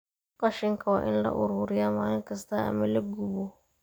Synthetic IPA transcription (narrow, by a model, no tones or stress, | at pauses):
qɐʃɪŋkʰɐwaʔɪnlɐ̰ʔʊɾuɾɪjamaːjɪŋkɐst̪aʔa̰mɪlɪɡubo